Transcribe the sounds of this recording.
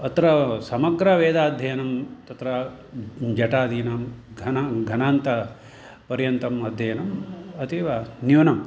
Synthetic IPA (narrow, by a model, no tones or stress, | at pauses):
ɐt̪ɾɐsɐmɐɡɾɐʋeːd̪aːd̪ʱjɐjɐnɐmt̪ɐt̪ɾɐ | d͡ʒɐʈaːd̪ʱiːnɐmɡʱɐnɡʱɐnaːnt̪ɐ | pɐɾjɐnt̪ɐmɐd̪ʱjɐjɐnɐmɐt̪iʋɐnjuːnɐm